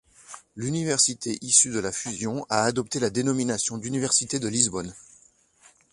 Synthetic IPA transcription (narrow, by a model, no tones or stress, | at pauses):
lynivɛʁsit̪ʰeʔisyd̪əlafyzjɔ̃aːd̪ɔp̚t̪elad̪enɔminasjɔ̃d̪ynivɛʁsit̪ed̪əlizbɔn